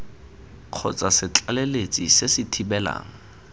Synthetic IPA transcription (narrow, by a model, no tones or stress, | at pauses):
q͡χʰɔ̰t͡sʼasɪt͡ɬʼalelet͡sʼisesɪtʰibɛla̰ːŋ̩